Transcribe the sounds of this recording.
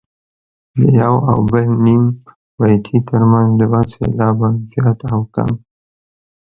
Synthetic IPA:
d̪əjawa̰wbəlnim | wajt̪ʰit̪əɾmanzd̪əbasḛlɑbanzjɑt̪awka̰m

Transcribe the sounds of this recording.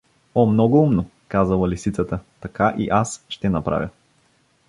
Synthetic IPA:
ɔmnɔɡoumno | kazəlˠɐlisit̪sət̪ət̪ɐkaʔḭʔasʃt̪ɛnɐpɾa̰vʲjə̰

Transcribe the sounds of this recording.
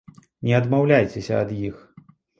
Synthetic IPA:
nʲɛɐd̪mawlʲajt͡sʲɛsʲɐɐd̪jix

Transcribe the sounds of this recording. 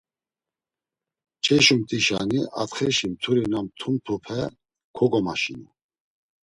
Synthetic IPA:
t͡ʃʰɛʃumt̪ʼiʃaniʔat̪χɛʃimt̪ʰuɾinamt̪ʰumt̪ʰupʰɛ | kʰɔɡɔmaʃini

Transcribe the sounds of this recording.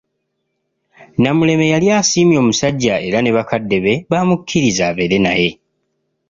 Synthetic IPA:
namule̞me̞jaljaːsiːmjo̞ːmusaɟːae̞ɾane̞βakadːe̞βe̞βaːmukʰːiɾizaβe̞ɾe̞na̰je̞

